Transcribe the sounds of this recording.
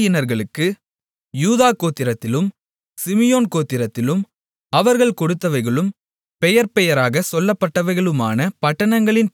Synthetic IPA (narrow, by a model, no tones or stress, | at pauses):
jɪnɐɾɣɐɭɯkːɯ | juːðaːkoːt̪ːɪɾɐt̪ːɪlɯm | sɪmɪjoːnkoːt̪ːɪɾɐt̪ːɪlɯm | ɐʋɐɾɣɐɭkɔɽɯt̪ːɐʋɐɪɣɐɭɯm | pɛjɐɾpɛjɐɾaːɣɐsɔlːɐpːɐʈːɐʋɐɪɣɐɭɯmaːnɐpɐʈːɐɳɐŋɡɐɭɪn